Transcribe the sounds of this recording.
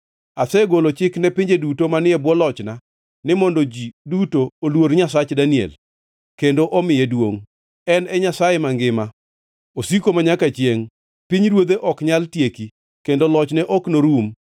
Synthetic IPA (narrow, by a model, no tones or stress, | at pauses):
asɛɡolot͡ʃɪknɛpɪɲd͡ʒedutomanɪɛbwɔlɔt͡ʃna | nɪmɔndod͡ʒidutoːlwoɾɲasat͡ʃdaniɛ̰l | kendoʔɔmɪjɛdwo̰ŋ | ɛnɛɲasajemaŋɡɪma | osikomaɲakat͡ʃjeŋ | piɲɾwod̪eʔɔkɲaltjeki | kendolɔt͡ʃnɛʔɔknoɾum